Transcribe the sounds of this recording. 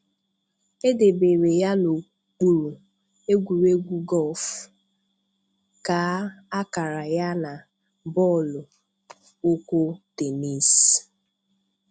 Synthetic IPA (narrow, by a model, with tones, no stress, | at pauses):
e˦de˨be˨ɾe˨ja˦no˨ | k͡pu˨ɾu˨ | e˦ɡʷu˨ɾe˦ɡʷu˦ɡɔ˦˨f | ka˨˦a˦ka˨ɾa˨ja˦na˨ | bɔ˦˨lʊ˨ | o˦kʷo˦te˨ni˦˨s